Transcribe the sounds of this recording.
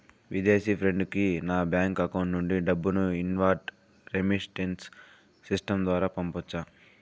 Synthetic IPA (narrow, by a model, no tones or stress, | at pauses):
ʋid̪eːsipʰɾe̞ɳɖkinaːbjaːŋkɐkɐwɳʈnuɳɖiɖɐbːunuinʋaːɾʈ | ɾemisʈenʈsː | isʈɐmd̪ʋaːɾaːpɐmpɔt͡ʃːaː